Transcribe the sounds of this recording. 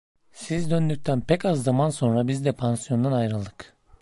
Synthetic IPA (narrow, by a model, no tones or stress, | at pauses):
sizd̪ø̞nd̪yc̚ʲt̪ʰænpʰɛcazːamanso̞nɾabizd̪ɛpʰansijo̞nd̪anajɾalˠd̪ɯk